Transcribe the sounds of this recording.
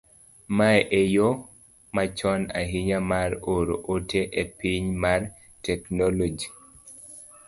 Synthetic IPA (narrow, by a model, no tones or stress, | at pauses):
maɛʔejo | mat͡ʃɔna̰ɦɪɲamaɾoɾo̰ʔotʰeʔepiɲmar | tɛknɔlod͡ʒi